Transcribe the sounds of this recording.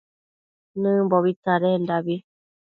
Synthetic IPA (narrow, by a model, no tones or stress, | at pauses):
nɨ̃mboβit̪aɾendaβi